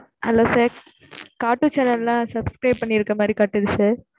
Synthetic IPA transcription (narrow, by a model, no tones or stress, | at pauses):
ʔɐ̰lːoːsaːɾ | kaːʈːut͡ʃɛnɐllãːsɐbskɾɐɪb̚pɐɳːɪɪɾɯkːɐmaːd̪ɾikaːʈːɯɾɯseːɾ